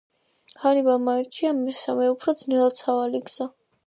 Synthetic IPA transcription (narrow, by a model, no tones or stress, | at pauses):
hanibamaiɾt͡ʃʰiamɛsamɛupʰɾɔd̪znɛlˠat̪sʰavaliɡz̥a